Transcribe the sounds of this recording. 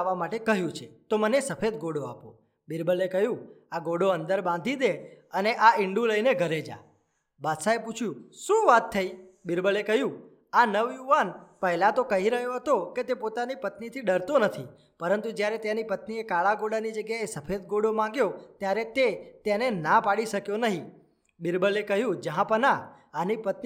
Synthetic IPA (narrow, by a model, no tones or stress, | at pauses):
ʋamaʈekəɦjũt͡ʃʰet̪omənesəfʰed̪ɡoɽoapo | bɪɾbəlekəɦjũaɡoɽoə̃nd̪əɾbãnd̪ʱid̪eəneʔaɪɳɖũləineɡʱəɾed͡ʒa̰ | bad̪saeput͡ʃʰjũʃũʋat̪ʰːəibɪɾbəlekəɦjũ | anəʋjuʋanpəɦlat̪okəɦiɾəɦjoɦət̪oket̪epot̪anipət̪nit̪ʰiɖəɾt̪onət̪ʰi | pəɾənt̪ud͡ʒjaɾet̪janipət̪niekaɭaɡoɽanid͡ʒəɡjaesəfʰed̪ɡoɽomãŋɡjot̪jaɾet̪et̪enenapaɽiʃəkjonəɦĩ | bɪɾbəlekəɦjũd͡ʒəɦãpəna | anipət̪̚